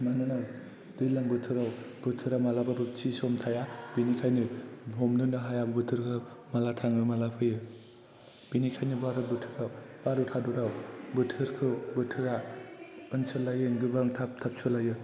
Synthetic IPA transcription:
manɯna | dɯjlaŋbɯtʰɯɾawb̥ɯtʰɯɾamalababɯt͡ʃisɔmtʰajab̥inikʰajnɯɦɔmnɯnɯɦajabbɯtʰɯɾkʰɯmalatʰaŋɯmalapʰɯjɯ | b̥inikʰajnibaɾɯbɯtʰɯɾawb̥aɾɯtʰaduɾawbɯtʰɯɾkʰɯbɯtʰɯɾa | ɯnsɯlajɯnɡɯbaŋtʰap̚tʰap̚sʰulajɯ

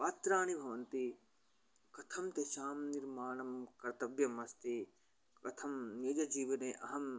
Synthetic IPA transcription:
paːt̪ɾaːñibʱɐʋɐnt̪i | kɐt̪ʰɐmt̪eʃaːmniɾmaːɳɐmkɐɾt̪ɐbjɐmɐst̪i | kɐt̪ʰɐmned͡ʒɐd͡ʒiːʋɐneʔɐɦɐm

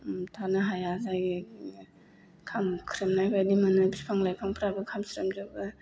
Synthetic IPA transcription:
tʰanɯɦajazajɡ | kʰamkʰɾɯmnajbadimɯnɯpʰipʰaŋlajpʰaŋpʰɾabɯkʰamsɾɯmzɯbɯ

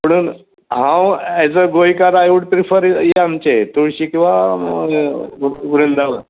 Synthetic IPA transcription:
pəɽ̃un | ɦãwɛd͡zəɡojkaɾajuɽt̪ɾifəɾjeamt͡ɕet̪uɭɕikĩw̃ʋa | ʋɾend̪aʋə

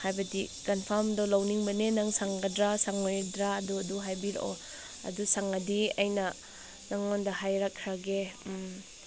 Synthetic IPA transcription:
hajbɐdikɐnpʰaɾmdolawniŋbɐnenɐŋsaŋɡɐdɾasaŋojdɾaɐduɐduɦajbiɾ̰o | ɐ̰dusaŋɐdiɐ̰jnɐ | naŋːondɐɦajɾakʰɾaɡem

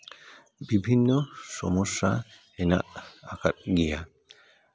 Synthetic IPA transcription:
bibʱinːɔsɔ̰mɔsːa | ɛna̰ʔaka̰t̚ɡija

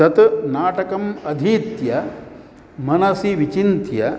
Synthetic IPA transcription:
ɐt̪naːʈɐkɐmɐd̪ʱiːt̪jɐ | mɐnɐsiʋit͡ʃint̪jɐ

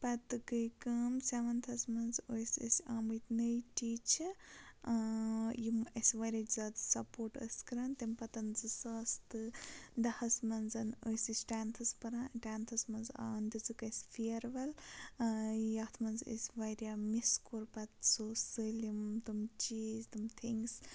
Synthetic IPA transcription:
pɐt̪ɨkɨjkɐmsʲeʋɐnt̪ʰɐsmɐnzojsʲə̰sʲaːmɨt̪nəjʈit͡ʃʰi | jiməsʲʋaɾʲazɐd̪ɨsɐpoːɾʈə̰sʲkɨɾant̪ɐmpɐt̪ɐnzɨsɐst̪ɨd̪ɐhɐsmɐnzɐnojsʲɨsʈaːnt̪ʰɐspɐɾanʈaːnt̪ʰɐsmɐnza̰nd̪izɨkɐsʲfʰiɐɾʋɐl | jɐt̪ʰmɐnzə̰sʲʋaɾʲjamiskuɾpɐt̪soːsɨlimt̪umt͡ʃiːzt̪umt̪ʰiŋɡs

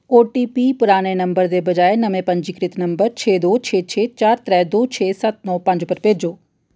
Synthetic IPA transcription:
oːʈiːpiːpʊɾaːneːnəmbəɾd̪eːbəd͡ʒaːenəmẽːpə̃ɲd͡ʒiːkɾɪt̪nəmbəɾt͡ʃʰeːd̪oːt͡ʃʰeːt͡ʃʰeːt͡ʃaːɾt̪ɾɛːd̪oːt͡ʃʰeːsət̪̚nɔːpə̃ɲd͡ʒʊpəɾpeːd͡ʒoː

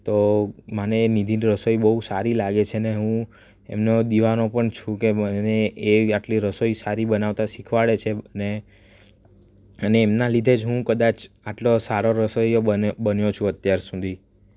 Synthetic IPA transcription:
t̪omaneːnid̪ʱinɾəsoibəɦusaɾilaɡet͡ʃʰeneɦũ | emnod̪iʋanopəɳt͡ʃʰũkeməneːaʈliɾəsoisaɾibənaʋt̪aʃikʰʋaɭet͡ʃʰeəne | əneːmnalid̪ʱed͡ʒɦũkəd̪at͡ʃ | aʈlosaɾoɾəsojoəbənjot͡ʃʰũət̪jaɾsud̪ʱi

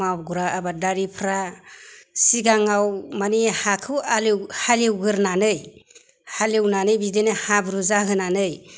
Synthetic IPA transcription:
ab̚ɡuɾaabadaɾipʰɾa | siɡaŋawmanihakʰɯwalewhalewɡɯɾnanɯj | halewnanɯjbidenehabɾuzaɦɯnanɯj

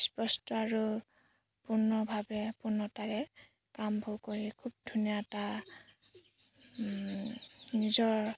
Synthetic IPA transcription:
spɔstɔaɹu | punɔbʱabɛpunɔtaɹɛ | kambʱowkoɹikʰub̚dʱunijata | nizɔɹ

